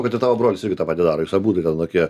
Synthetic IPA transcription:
kɐt̪ʲɪt̪ɑːʋoːbɾoːlʲɪsɪɾʲɡʲɪt̪ɑpɐt̪ʲɪd̪ɑːɾoːjʊsɐbuːt̪ɐt̪ʲɛnt̪oːkʲiɛ

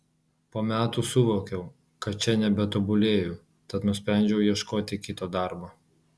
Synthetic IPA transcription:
poːmʲæːt̪uːsʊʋoːkʲɛʊ | kɐt̪t͡ʃʲɛnʲɛbʲɛt̪ɔbʊlʲeːjʊː | t̪ɐt̪nʊsʲpʲɾʲɛˑnʲd͡ʒʲɛʊjiɛʃkoːt̪ʲɪkʲɪt̪oːd̪ɑˑɾboː

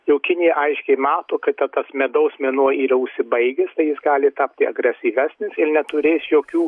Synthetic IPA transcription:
jɛʊkʲɪnʲɪjɛʔɐɪʃʲkʲɛɪmɑːt̪oːkɐɪt̪ɐt̪ɐsmʲɛːd̪ɐʊsmʲeɛnuɔiːɾɐʊʃʲsʲɪbɐɪɡʲest̪ɐɪjɪsɡɑːlʲɪt̪ɑːpʲt̪ʲɪɐɡɾʲɛsʲiːʋʲæːsʲnʲɪsɪrnʲɛt̪ʊɾʲeːsjoːkʲuː

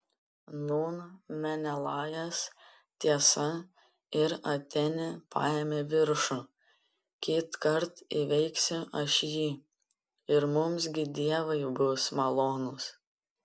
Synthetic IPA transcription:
nuːnmʲɛnʲɛlˠɑːjɛs | t̪ʲiɛsɐ | ɪɾɐt̪ʲɛnʲɪpʰɑ̰ːjeːmʲeːʋʲɪɾʃʊ | kʲiːt̪kɐɾt̪iʋʲɛɪksʲɪʔɐʃjiː | ɪɾmʊms̬ɡʲɪd̪ʲiɛʋɐɪbʊsmɐlˠoːnʊs

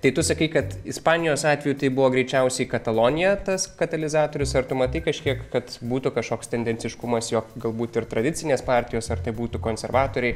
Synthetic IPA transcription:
t̪ɐɪt̪ʊsɐkɐɪkɐt̪ɪspɑːnʲɪjoːsɑːt̪ʲʋʲɛjuːt̪ɐɪbʊʋoːɡɾʲɛɪt͡ʃʲɛʊsʲɛɪikɐt̪ɐlˠoːnʲɪjɛt̪ɐskɐt̪ɐlʲɪzɑːt̪oːɾʲʊsɐrt̪ʊmɐt̪ɐɪkɐʃʲkʲiɛkkɐt̪buːt̪ʊkɐʃkoːkst̪ʲɛnʲd̪ʲɛnʲt͡sʲɪʃkʊmɐsjoːkɡɐlˠbuːt̪ɪɾt̪ɾɐd̪ʲɪt͡sʲɪnʲeːspɑːɾʲt̪ʲɪjoːsɐrt̪ɐɪbuːt̪ʊkoːnʲsʲɛɾʋɑːt̪oːɾʲɛɪ

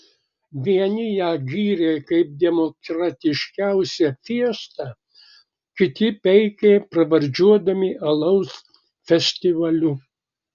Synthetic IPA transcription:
ʋʲiɛnʲɪjæːɡʲiːɾʲeːkɐɪp̚d̪ʲɛmɔkɾɐt̪ʲɪʃʲkʲæʊsʲɛfʲiɛst̪ɐ | kʲɪt̪ʲɪpʲɛɪkʲeːpɾɐʋɐɾʲd͡ʒʲuɔd̪ɐmʲɪʔɐlˠɐʊs | fʲɛsʲt̪ʲɪʋɐlʲʊ

